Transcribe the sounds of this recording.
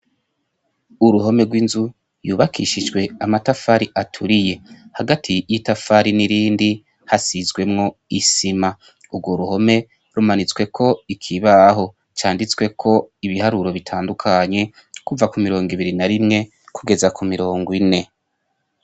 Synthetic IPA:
uɾuɦo̞me̞ɡwinzu | juːβakʰiʃid͡ʒɡwe̞amatafaɾiʔatʰuɾije̞haɡatʰijitafaɾiniɾiːndi | hasizɡwe̞mŋo̞isima | ubɡwo̞ɾuɦo̞me̞ | ɾumanit͡swe̞kʰo̞ikʰiβaɦo̞ | t͡ʃaːndit͡swe̞kʰo̞iβihaɾuɾo̞βitʰaːndukʰaɲe̞ | kuvakumiɾo̞ːŋɡiβiɾinaɾimŋe̞ | kʰuɡe̞zakumiɾo̞ːŋɡine̞

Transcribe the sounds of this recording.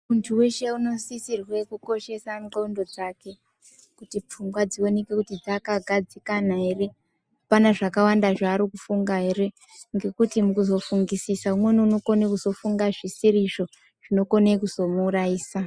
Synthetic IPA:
muntʰuwe̞ʃeuno̞sisirwekuko̞ʃe̞saoundo̞d͡zake̞ | kutip͡fuŋɡwad͡zio̞ne̞ke̞kutid͡zakaɡʱad͡zikanaɦe̞re̞ | panaʐakawandaʐaːɾikufuŋɡaɦe̞re̞ | ŋɡe̞kutimukuzo̞fuŋɡisisaumweniuno̞ko̞nekuzo̞fuŋɡaʐisiɾiʐo̞ | ʐ̥ino̞ko̞nekuzo̞muːraiːsa

